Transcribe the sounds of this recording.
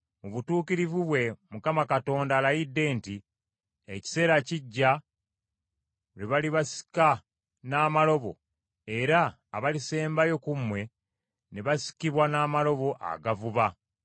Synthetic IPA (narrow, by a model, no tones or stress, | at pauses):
muβutuːkiɾivuβwe̞mukamakato̞ːndaːlajidːe̞ːnti | eci̥se̞ːɾaciɟːa | ɾeβaliβasi̥ka | naːmalo̞βo̞̰ | e̞ɾaː | βalise̞ːmbajo̞kumwe̞ | neβasi̥kiβwanaːmalo̞βo̞ʔa̰ɡavuβa